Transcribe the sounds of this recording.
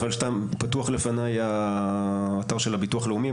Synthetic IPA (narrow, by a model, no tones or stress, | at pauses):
alʃtampatuaχle̞fanajaː | taʁʃelabituaχleumi